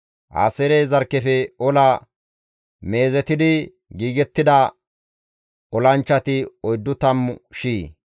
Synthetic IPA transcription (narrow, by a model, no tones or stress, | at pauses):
ʔa̰ːsɛɾezɐɾkːɛfɛɔlɐ | me̞ːzɛt̪ɪd̪ɪ | ɡiːɡɛt̪ːɪd̪ɐ | ɔlɐnt͡ʃːɐt̪ɪɔjd̪ːʊt̪ɐmʃiː